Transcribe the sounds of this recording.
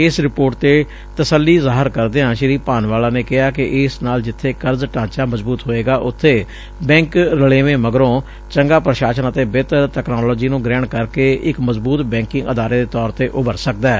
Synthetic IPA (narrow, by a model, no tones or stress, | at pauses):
ɪsɾɪpoːɾʈt̪eː | t̪əsəlːiːzaːɦəɾkəɾd̪eːɦãːʃɪɾiːpaːnʋaːlaːneːkɪɦaːkɪʔɪsnaːld͡ʒɪt̪ʰːeːkəɾzʈãːt͡ʃaːməzbuːt̪ɦoːeːɡaːʔʊt̪ʰːeː | bɛ̃ːŋkɾəleːʋẽːməɡəɾõː | t͡ʃəŋɡaːpɾəʃaːʃənət̪eːbeːt̪əɾʈ̪ɛːknaːlɔːd͡ʒiːnũːɡɾɛːɳkəɾkeːɪkməzbuːt̪bɛ̃ːŋkɪ̃ŋɡəd̪aːɾeːd̪eːt̪ɔːɾt̪eːʔʊbəɾsək̚d̪ɛː